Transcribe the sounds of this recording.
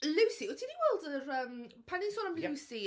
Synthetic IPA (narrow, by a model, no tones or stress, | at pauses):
lˠɪwsiɔtʰiniwɛlˠdərəːmpʰaninsɔːnamlˠɪwsi